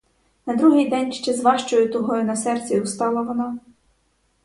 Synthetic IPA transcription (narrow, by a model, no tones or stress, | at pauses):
nɐd̪ɾuɦɪjd̪ɛnʲʃt͡ʃɛzʋɑʃt͡ʃɔjʊt̪ɔɦɔjʊnɐsɛrt͡sʲiust̪ɑlˠɐʋɔnɑ